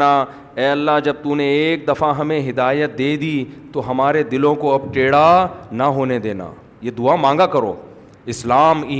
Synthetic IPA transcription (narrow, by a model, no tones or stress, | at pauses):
a | ɛːɐlːaɦd͡ʒɐb̚t̪unẽːk̚d̪ɐfaɦɐmẽɦɪd̪aːjət̪̚d̪eːd̪iːt̪oɦɐmaːɾed̪ɪlõkoɐbʈeːɽanɐɦoːned̪eːna̰ː | jed̪ʊamãːŋ̆ɡakɐɾo̰ː | ɪslaːmiː